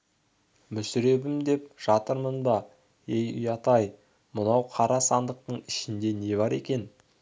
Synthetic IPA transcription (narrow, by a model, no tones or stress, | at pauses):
mʏsʏɾe̞bɪmd̪e̞pʒ̥ɑt̪əɾmənbɑ | ejʏ̰jɑt̪ɑj | mʊnɑwqʰɑɾɑsɑnd̪əq̚t̪əɴɪʃɪnd̪e̞ne̞βɑɾe̞kʲe̞n